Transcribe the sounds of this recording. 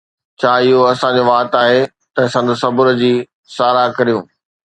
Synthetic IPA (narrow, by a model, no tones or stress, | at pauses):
t͡ɕʰaːɪɦoɐsãd͡ʑoʋaːt̪aːɦe | t̪ɐsɐ̃nd̪əsɐbʊɾə̆d͡ʑiː | saːɾakɐɾijũː